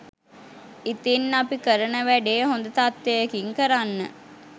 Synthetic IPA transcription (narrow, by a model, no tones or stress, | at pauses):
it̪inːapikəɾənəʋæɖeːɦond̪ət̪at̪ːejəkiŋkəɾanːə̰